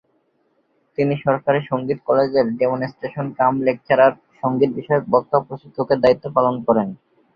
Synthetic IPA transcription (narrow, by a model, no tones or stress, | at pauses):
t̪iniʃɔɾkaɾeʃoŋɡit̪kɔled͡ʑeɾɖemonesʈeʃonkamlek̚t͡ɕʰaɾaɾ | ʃoŋɡiɾbiʃɔebɔk̚t̪opɾot͡ɕit̪ʰːoked̪ait̪ːopalonkɔɾen